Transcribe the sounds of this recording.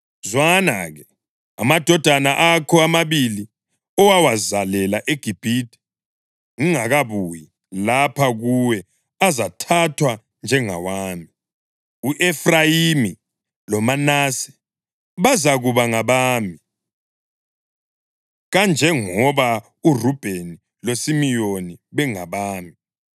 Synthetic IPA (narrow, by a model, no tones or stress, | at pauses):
zwana̰ɣɛ | a̰mad̥ʱɔd̥ʱanaʔakʰɔamaβili | ɔwawazalɛlaʔeɡ̥ʱib̥ʱitʰʼɛ̥ | ŋiŋaɣaβuji | lapʰaɣuwɛ | azatʰatʰwa | nd͡ʒʱɛŋa̰waːmi | uʔɛfrajimi | lɔmanasɛ̥ | βazaɣuβaŋaβaːmi | ɣand͡ʒʱɛŋɔβa | urub̥ʱeni | losimijoniβɛŋaβaːmi